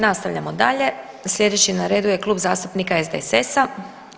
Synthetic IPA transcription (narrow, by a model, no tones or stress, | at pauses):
nast̪aʋʎamod̪aʎe̞ | slʎʲe̞d̪e̞t͡ɕinaɾe̞ːd̪uje̞klˠuːbzaːst̪upnikaezd̪esesa